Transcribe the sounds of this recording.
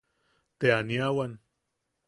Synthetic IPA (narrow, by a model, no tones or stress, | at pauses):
t̪eaniawan